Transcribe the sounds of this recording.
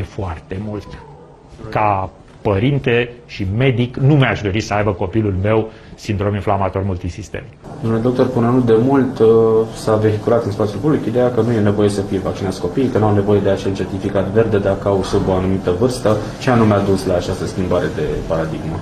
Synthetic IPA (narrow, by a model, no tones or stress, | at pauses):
efoart̪e̞mult̪ | ka | pəɾint̪e̞ʃime̞d̪iknumeaʃd̪oɾisəajbəko̞pilulme̞w | sind̪ɾo̞minflamat̪o̞rmult̪isist̪ḛm | d̪omuled̪o̞k̚t̪o̞rpunenut̪̚d̪e̞mult̪save̞ɦikuɾat̪ɨnspat̪siulpublikid̪e̞jakənuje̞ne̞vo̞je̞səfijevak̚t͡ʃinat̪sko̞pijejkənuawne̞vo̞je̞d̪eat͡ʃe̞lt͡ʃe̞rt̪ifikat̪ve̞rd̪e̞d̪akəawsuboanumit̪əvɨrst̪ə | t͡ʃeanumead̪uslaːt͡ʃast̪əskʲimbaɾe̞d̪e̞paɾad̪iɡmə